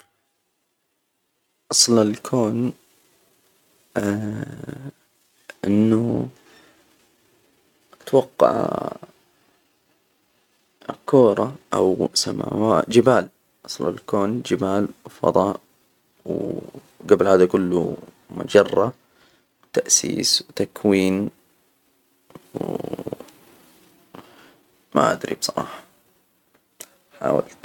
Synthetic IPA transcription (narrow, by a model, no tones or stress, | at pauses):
ʔɑsˤlɪlkʰoːn | ʔɪnːu | t̪wɑqːɑ̰ʕ | koːɾˤɑʔa̰wsama̰ːwad͡ʒɪbaːl | ʔɑsˤla̰lkoːnd͡ʒɪbaːlwfɑ̰d̪ˤɑːʔ | w | ɡablhaːd̪akʊlːu | mʊ̰d͡ʒɑrˤːɑ | wt̪aʔsḭːswt̪akʰwiːn | w | ma̰ʔa̰d̪ɾibsˤɑɾˤɑ̰ːħɑ̥ | ħa̰ːwa̰lt̪